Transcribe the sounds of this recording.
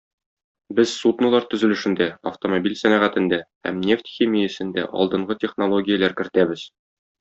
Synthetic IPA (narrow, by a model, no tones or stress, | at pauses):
bɘzsut̪nulˠɑɾt̪ɵ̆zɵ̆lɘ̆ʃɘ̆nd̪æɐft̪omobʲilʲsænæʁæt̪ɘ̆nd̪æhæ̰mnʲe̞ft̪ʲxʲimʲijɘsɘ̆nd̪æ̰ʔɒ̰lˠd̪ɤ̆ɴɢɤtʲeχnolˠoɡʲijəlˠæɾkɘ̆ɾt̪æbɘz̥